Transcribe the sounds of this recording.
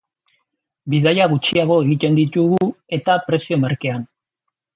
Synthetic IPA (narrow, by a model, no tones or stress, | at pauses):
biðajaɣut͡ʃiaɣ̞o̞e̞ɣit̪e̞nd̪it̪uɣue̞t̪apɾe̞sio̞maɾke̞an